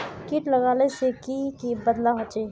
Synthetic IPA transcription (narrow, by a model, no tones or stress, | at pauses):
kiʈlɐɣaːlesekikibɐd̪laɦɐt͡ʃeː